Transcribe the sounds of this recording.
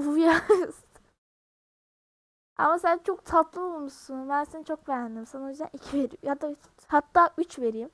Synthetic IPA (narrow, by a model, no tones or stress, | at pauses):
ujaɾɯz̥ | ʔa̰masænt͡ʃʰo̞kt̪ʰat̪lˠɯolˠmuʃunbænsint͡ʃʰo̞kbeɾænd̪imsanaojyzd̪æ̰nicʰive̞ɾḭjad̪a | hat̪ːaːyt͡ʃve̞ɾijm